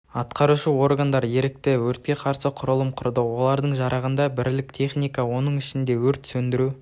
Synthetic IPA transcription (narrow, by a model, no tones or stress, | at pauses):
ɑt̪qɑɾuʃəwo̞rɡand̪ɑɾje̞ɾɪk̚t̪ɪwɵɾt̪̚kʲe̞qʰɑɾsəqʰʊɾəlˠəmqʰʊɾd̪əwo̞lˠɑɾd̪əɴʒɑɾɑʁənd̪ɑbɪɾlɪk̚t̪ʰe̞χnijkawo̞nəɴɪʃɪnd̪e̞wɵɾt̪sɵnd̪ɪɾu